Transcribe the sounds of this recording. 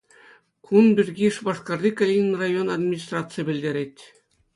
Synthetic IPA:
kʰunbʲirʲɡʲiʂbɑʂkɑrd̪ʲikɑlʲinʲnrajonɑd̪mʲinʲis̬t̪rɑt̪t͡sɨjbʲɘ̆lʲd̪ʲeɾʲet̪ʲ

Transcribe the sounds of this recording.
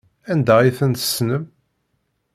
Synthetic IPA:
ænd̪æiθənt̪ə̥snəm

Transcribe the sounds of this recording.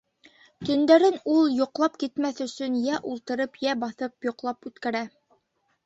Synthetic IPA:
t̪ɵ̆nd̪æɾɘnulˠjŏqlˠɑpkit̪mæθɵ̆sɵnjæʔulˠt̪ɤ̆ɾɤpjæbɑθɤpjŏqlˠɑpʉt̪kæɾæ

